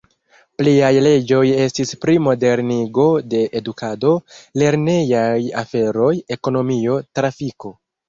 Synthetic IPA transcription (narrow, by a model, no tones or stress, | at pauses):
pliajle̞d͡ʒo̞je̞stispɾimo̞de̞ɾniɡo̞de̞ʔːdukʰado̞le̞ɾne̞jaja̰fe̞ɾo̞je̞ko̞no̞mio̞tɾafiko̞